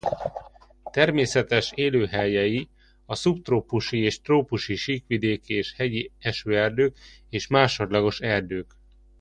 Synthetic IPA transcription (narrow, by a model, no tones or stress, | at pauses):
t̪ɛrmeːsɛt̪ɛʃeːløːɦɛjɛji | ɒsupt̪roːpuʃieːʃt̪roːpuʃiʃiːkʋid̪eːkeːʃhɛɟiɛʃøːɛrd̪øːk | eːʃmaːʃo̞d̪lɒɡo̞ʃɛrd̪øːk